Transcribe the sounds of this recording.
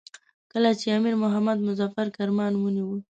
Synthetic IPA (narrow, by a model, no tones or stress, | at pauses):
kəlat͡ʃeamiɾmʊɦamad̪mʊzɑfaɾkaɾmɑnwəniwə